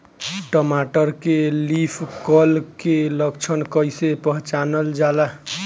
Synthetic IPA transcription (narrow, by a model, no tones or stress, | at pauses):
ʈɔmaʈəɾkelipʰkɔlkeləɡt͡ʃʰənkəjsepəɦt͡ʃanəld͡ʒala